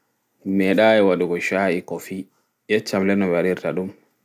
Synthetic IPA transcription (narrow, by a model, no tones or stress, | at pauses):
mɛɗaːɛwaɗuɡɔʃaʔikɔfi | jɛt͡ʃːamlɛnːɔbaɾiɾtaɗum